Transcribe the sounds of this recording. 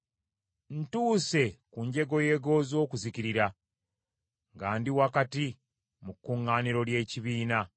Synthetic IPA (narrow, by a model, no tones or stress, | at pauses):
n̩tuːse̞kuɲɟe̞ɡo̞je̞ːɡo̞ːzo̞ːkuziciɾiɾa | ŋɡaːndiwakati | mukːuŋːaːniɾo̞lje̞ːciβiːna